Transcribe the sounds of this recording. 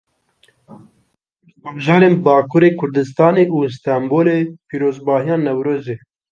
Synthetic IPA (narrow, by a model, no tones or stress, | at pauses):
hɛbɨʒɑːɾeːnbɑːkʰuɾeːkʰʊɾd̪ɨs̬t̪ɑːneːʔust̪ɑmboːleːpiːɾoːzbɑːɦijɑːnɛwɾoːzeː